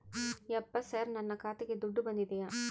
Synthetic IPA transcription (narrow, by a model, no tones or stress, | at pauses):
jɛpːɐsaːɾnɐnːɐkaːt̪eɡed̪uɖːubɐnd̪id̪ɛjaː